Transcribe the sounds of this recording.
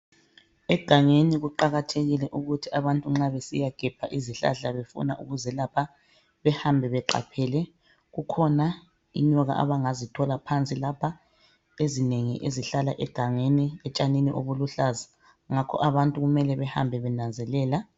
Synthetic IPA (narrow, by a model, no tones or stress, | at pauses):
ɛɡ̥ʱaŋeniɣuǃaɣatʰeɣilɛʔuɣutʰiʔaβantʼuŋ͡ǁaβesijaɡ̥ʱɛb̥ʱaʔiziɬa̰ɮaβefṵna̰ʔuɣuzɛlapʰa | βɛhambʱɛβɛǃa̰pʰɛlɛ | ɣukʰɔna | ḭɲɔɣa̰ʔa̰βaŋazitʰɔlapʰant͡sʼilapʰa | ezineŋḭʔeziɬalaʔɛɡ̥ʱaŋeniɛt͡ʃʼaniniʔoβuluɬazḁ | ŋakʰɔ̰ʔaβantʼuɣumɛlɛβɛha̰mbʱɛβɛnand͡zʱɛlɛːla